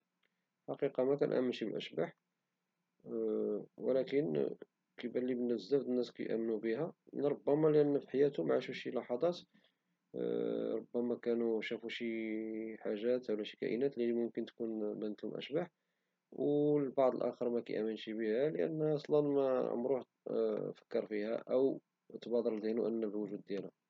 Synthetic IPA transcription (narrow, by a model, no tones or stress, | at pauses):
ħɑqiqɑmækæ̰nʔæ̰mːənʃibəlʔə̰ʃbaħ | wəlækən | kibælːibənæzːæfd̪ənːæskæ̰jʔæ̰mːnubəɦæɾˤobːæmælʔənːfiħajæt̪ʊmʕaʃuʃilɑħɑd̪ˤɑt̪ | ɾˤobːæmækænuʃæfuʃiħaʒːæt̪wlæʃikæ̰ʔə̰næt̪limʊmkənt̪kunbænːət̪lhʊmʔə̰ʃbaħ | wlbɑʕd̪ˤəlʔæ̰xəɾˤmækæ̰jʔæmənʃibihælʔə̰nːæʔɑsˤlɑnmæ̰mɾuħ | fə̥kːəɾˤfihæ̰ʔə̰w | t̪bɑd̪ˤəɾd̪inuʔənːæbwʒud̪̚ːjælæ